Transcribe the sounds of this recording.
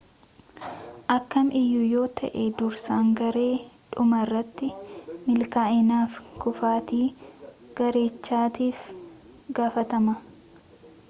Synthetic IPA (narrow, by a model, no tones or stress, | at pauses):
ʔɐkːɐmɪjːʊjo̞ːt̪ʰɐ̰ʔed̪ʊɾsaːŋɡɐɾe̞ːᶑʊmɐrːɐt̪ːɪmɪlkaːʔɪnaːfkʊfaːt̪iː | ɡ̥ɐɾe̞ːt͡ʃːaːt̪iːfɡaːfɐt̪ɐmɐ